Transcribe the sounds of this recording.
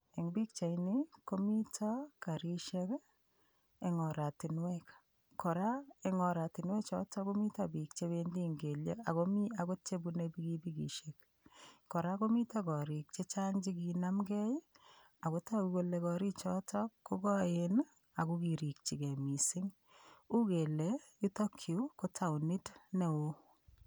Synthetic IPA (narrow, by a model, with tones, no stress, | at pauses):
e˨ŋbi˦k̚t͡ʃa˨jniko˦mi˦tʰɔ˦ka˨ɾi˦ʃe˦k | e˨ŋɔ˨ɾa˨ti˨nwɛk | kɔ˨ɾa˦e˨ŋɔ˨ɾa˨ti˨nwɛ˦t͡ʃɔ̰ta˦ko˦mi˦tabi˨k̚t͡ʃe˦be˦ndiŋɡe˨lḛ˦a̰˨ko˦mi˦ako˦t͡ʃe˦bunebiki˦bi˦kḭ˨ʃek | kɔ˨ɾa˦ko˦mi˦ta˦kɔ˨ɾi˨k̚t͡ʃe˦t͡ʃaŋd͡ʒi˦ki˨namɡɛ˦j | a˨ko˦ta˦ukole˨kɔ˨ɾi˦t͡ʃɔ˦tɔkːo˦kɔ˦en | a˨kukiɾi˨k̚t͡ʃi˨ke˨mi˨sɪ˦ŋ | u˦ke˨lei˦tɔ˦kʰːi˨ko˦tʰa˨wnɪ˦tne˨o